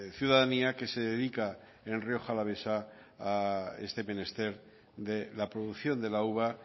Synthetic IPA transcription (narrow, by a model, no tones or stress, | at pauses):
θjuðaðaniake̞seðeðika | e̞nrio̞xalaβ̞e̞saː | e̞̰st̪e̞mẽ̞ne̞st̪e̞ɾ | d̪elapɾo̞ðuθjo̞nd̪e̞lauβa